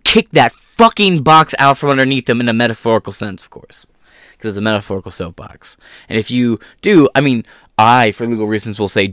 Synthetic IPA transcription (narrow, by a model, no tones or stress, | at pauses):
kʰɪk̚ðɨtfʌkɪ̃ŋbɑksa̰ʊtfɹʌ̃mʌ̃ndə˞niθðɨ̃mɨ̃nɨmɛɾɨfɔɹəkl̩ˠsɛ̃nsʌ̥v̥kʰɔ̰ɹs | kʰʌzɨtsəmɛɾəfɔɹəkl̩ˠsoʊp̚b̥ɑ̰ks | ɨ̃nɨfjɨd̥ɨaɪmĩn | ʔaɪfə˞liɡl̩ˠɹiz̃n̩swəlˠseɪ